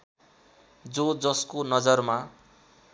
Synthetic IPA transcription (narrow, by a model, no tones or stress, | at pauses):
d͡zod͡zʌskonʌd͡zʌrma